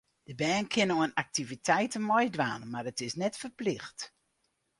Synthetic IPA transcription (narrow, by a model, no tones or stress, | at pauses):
d̥əbɛːnkʰɪnoənak̚tivitʰɛjtənmɔjdʋaːnmarətɪsnɛtfərplɪxt